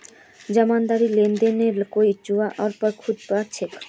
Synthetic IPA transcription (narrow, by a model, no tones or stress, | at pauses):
d͡ʑɔmand̪aɾilend̪eneɾkojt͡ɕuaʔɔɾpɔɾkʰud̪paɾt͡ɕʰek